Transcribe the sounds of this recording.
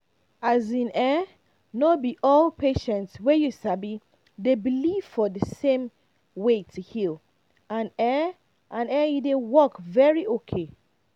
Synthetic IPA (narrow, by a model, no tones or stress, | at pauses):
azĩnɛ | nobiʔɔlpeʃɛ̃ntswɛjusabi | debiliv̥fɔðəsẽm | wetʰuhil | ãnɛ | ʔãnɛjudewɔkvɛɹiʔokʰe